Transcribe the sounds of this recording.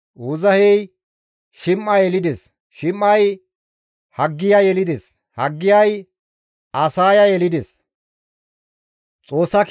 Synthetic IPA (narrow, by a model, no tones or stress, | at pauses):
uzɐhɛj | ʃɪmːɐjɛlɪd̪ɛs | ʃɪmːɐj | hɐɡːɪjɐjɛlɪd̪ɛs | hɐɡːɪjɐj | ɐsaːjɐjɛlɪd̪ɛs | t͡sʼo̞ːsːɐk